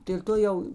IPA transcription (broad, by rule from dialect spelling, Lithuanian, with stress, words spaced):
dʲeːlʲ ˈtoː jɛʊ